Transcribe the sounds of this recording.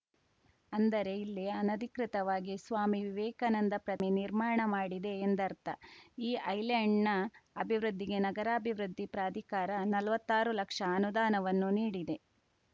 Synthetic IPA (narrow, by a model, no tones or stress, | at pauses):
ɐnd̪ɐɾe̞ilːiɐnɐd̪ʱikɾit̪ɐʋaːɡisʋaːmiʋiʋɛːkɐnɐnd̪ɐpɾɐminiɾmaːɳɐmaːɽid̪e̞ːnd̪ɐɾt̪ɐiːʔɐjlɐɳnɐɐbʱiʋɾud̪ʱːiɡe̞nɐɡɐɾaːbʱiʋɾud̪ʱːipɾaːd̪ʱikaːɾɐnɐlʋɐt̪ːaːɾulɐkʂɐːnud̪aːnɐʋɐnːuniːɽid̪e̞